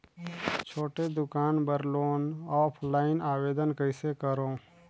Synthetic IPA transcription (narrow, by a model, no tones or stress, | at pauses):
t͡ʃʰoːʈed̪ʊkaːnbəɾloːnɔːpʰlaːɪnaːweːd̪ənkəɪsekəɾõː